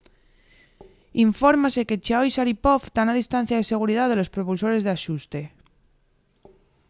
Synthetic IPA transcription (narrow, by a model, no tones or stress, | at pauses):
iɱfoɾmase̞ket͡ʃaojsaɾipoft̪anað̞ist̪an̟θjað̞ese̞ɣ̞uɾiðaðelo̞spɾopulso̞ɾe̞zðeaʃust̪e̞